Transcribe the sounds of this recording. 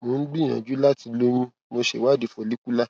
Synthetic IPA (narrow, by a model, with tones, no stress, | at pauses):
mõ˨˦n̩˦ɡ͡bi˦˨j̃ã̰˨d͡ʒu˨˦la˦ti˧lo˦ñĩ˦ | mo˧ʃḛ˨wa˦˨di˧˨fɔ˧li˦ku˦la˦